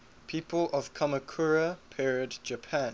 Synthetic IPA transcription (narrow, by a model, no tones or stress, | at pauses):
pʰiːˑpəlɔv̥kʰɔməkʰuɹəpʰɛɹədd͡ʒəpʰãn